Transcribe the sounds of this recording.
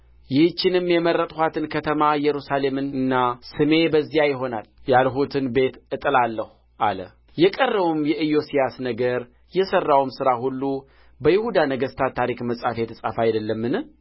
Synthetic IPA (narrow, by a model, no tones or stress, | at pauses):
jɪht͡ʃːɪnɨmːjɛmərːət̪ʼhat̪ʰɨnkʰət̪ʰəmajɛɾusale̞mɨnɨnːasɨme̞bəzːijajɪɦo̞naljalɦut̪ʰɨnbe̞t̪ʔɨt̪ʼɨlalːəh | ʔa̰lə̰ | jɛkʼərːəβumjɛʔɨjo̞sijasnəɡəɾ | jɛsərːawmsɨɾahulːu | bəjɪhud̪anəɡəst̪ʰat̪ʰːaɾikməsʼafet̪ʰɨsʼafajd̪əlːəmːɨnɨ